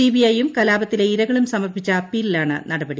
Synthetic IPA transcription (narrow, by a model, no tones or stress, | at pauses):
iːbijɐjumkɐlaːbɐt̪ːileiɾɐɣɐɭumsɐmɐrbit͡ɕːɐpːilːaːɳɨ̰nɐɽɐbɐɽi